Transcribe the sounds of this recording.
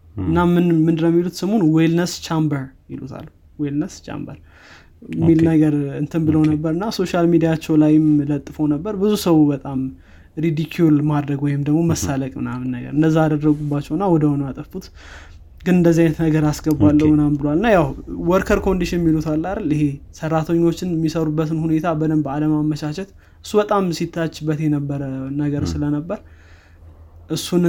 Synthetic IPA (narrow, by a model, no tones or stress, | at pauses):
ɨnːamːɨnmɨnd̪ɨɾəmːilut̪səmonwelnəst͡ʃambəɾmḭlṵt̪ʰa̰l | welnəst͡ʃʰa̰mbə̰ɾ | mːilnəɡəɾɨnt̪ʰɨnbɨləwnəbːəɾɨnːaso̞ʃalmid̪ijat͡ʃːɛwlajɪmlət̪ʼːɨfəwnəbːəɾbɨzusəwubət̪ʼam | ɾid̪ikʰjulmad̪ɾəɡwɔjɪmd̪əɡmo̞məsːaləkʼmɨ̰namɨnːəɡə̰ɾɨnd̪əzːaad̪ərːəɡubat͡ʃːɛwɨnːawɔd̪əhɔnat̪ʼəfut̪ | ɡɨnɨnd̪əzːiajnət̪nəɡəɾasɡəbalːəwmɨnambɨlwalɨnːajawwɔɾkʰəɾkʰo̞nd̪iʃɪnmilut̪ʰalːaɾəlɨhe̞sərːat̪ʰəɲːo̞t͡ʃːɪnmːisəɾubːət̪ɨnhune̞t̪ʰabəd̪əmbəaləmamːəʃaʃɛt̪ | ɨsːubət̪ʼamsit̪ʰːat͡ʃːɪbːət̪jɛnəbːəɾənəɡəɾsɨlənəbːəɾ | ʔɨsːun